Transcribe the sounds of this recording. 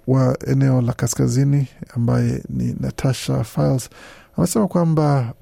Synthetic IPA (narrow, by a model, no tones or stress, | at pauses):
waɛ̰nɛɔlakaskaziniambajɛ̰nḭnatʰaʃafajlz | amɛsɛmakwamba